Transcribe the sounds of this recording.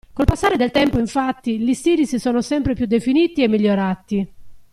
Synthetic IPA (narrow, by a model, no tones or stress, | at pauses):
kolpasːaːɾed̪elt̪ɛmpoiɱfat̪ːilist̪iːɾisisɔːnosɛmpɾepjud̪ːefiniːt̪iɛmːiʎːoɾaːt̪i